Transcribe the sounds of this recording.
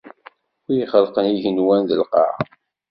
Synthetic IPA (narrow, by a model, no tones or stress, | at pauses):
ʊjiχəlqəniʝənwænðəlqɑ̰ʕ